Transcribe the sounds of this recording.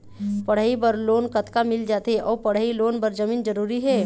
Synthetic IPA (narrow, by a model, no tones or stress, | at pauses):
pɐɽ̤aːibəɾloːnkɐt̪kamɪld͡ʒaːt̪ɦeʔɔːɾpɐɽ̤aːiloːnbɐɾd͡ʒɐmiːnd͡ʒɐɾuːɾiɦɛː